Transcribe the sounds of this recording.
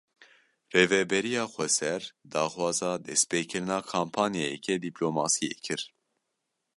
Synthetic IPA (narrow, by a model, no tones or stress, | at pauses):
reːvɛbɛɾijɑːxʷɛsɛɾd̪ɑːxwɑːzɑːd̪ɛspeːkʰɨɾɨnɑːkʰaːmpʰɑːnjejɛkʰɛd̪iploːmɑːsijḛːkʰɨɾ